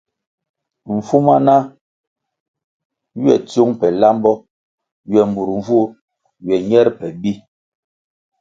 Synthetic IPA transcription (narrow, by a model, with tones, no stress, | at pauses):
ɱ̩˨fu˦ma˦na˦ | ɥɛ̰˨to˦ŋpɛ˨la˦mbɔ˦ | ɥjɛ˨mbu˨ɾɱ˨vu˦ | ɥɛ˨ɲɛ˦ɾpɛ˨bi˦